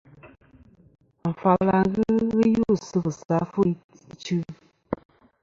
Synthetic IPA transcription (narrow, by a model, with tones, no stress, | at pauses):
m̩˨fa˨la˨ɣɨ˦ɣɨ˦ju˦˨sɨ˦bɨ˨sa˨˦fu˦ | t͡ʃɨ˦